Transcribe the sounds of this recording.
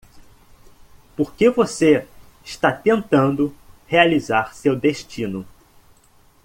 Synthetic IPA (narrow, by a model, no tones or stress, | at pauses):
poɾkevose | iʃt̪at̪ẽnt̪ɐ̃nd̪ʊhealizaɾsewd̪eʃt͡ʃĩnʊ